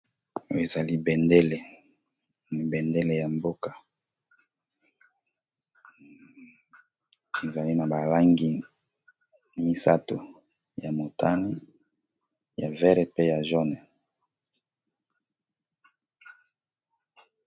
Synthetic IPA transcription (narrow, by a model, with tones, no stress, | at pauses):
o˦e˨za˨li˦bɛ˨nde˦le˨ | ni˨bɛ˨nde˦le˨ja˨mbo˦ka˨ | e˨za˨li˦na˨ba˨la˦ŋɡi˦ | mi˦sa˦to̰˨ | ja˨mo˨tʰa˦ni˦ | ja˨vɛ˦ʁe˨pe˦ja˨ʒɔ˦nɛ˨